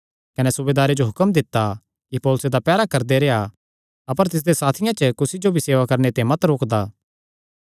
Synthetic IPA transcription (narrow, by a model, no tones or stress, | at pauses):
kɐnɛsʊbed̪aːɾed͡ʒoɦʊkəmd̪ɪt̪ːa | kipoːlʊsed̪apɛːɾakɐɾd̪eɾeːa | ɐpəɾt̪ɪs̬d̪esaːt̪ʰɪjãt͡ʃəkʊsid͡ʒobʱiseːʋakɐɾnet̪ẽmɐt̪ɾoːkd̪aː